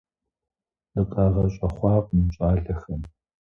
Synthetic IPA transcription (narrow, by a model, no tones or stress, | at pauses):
dɨqʼaːʁɐɕʼɐχʷɑːqʼmɨɕʼaːɮɐxɐm